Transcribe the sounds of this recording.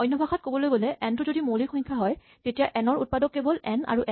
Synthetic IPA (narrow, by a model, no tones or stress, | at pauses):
ɔjnːɔbʱaxɔt̚kobɔlojɡolɛʔɛntʊzodimolixɔjɲkʰːaɦɔj | tetijaʔɛnɔɹṵt̚padɔkːebɔlɛna̰ɹuʔɛ